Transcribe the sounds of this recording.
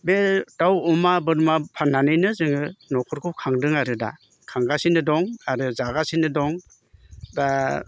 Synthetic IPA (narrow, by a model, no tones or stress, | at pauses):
betawɔmabɯɾmapʰanːanɯjnɯzɯŋɯnɔkʰɔɾkʰup̚kʰaŋdɯŋaɾɯda̰ | kʰaŋɡasinɯdɔŋaɾɯzaɡasinɯdɔŋ | da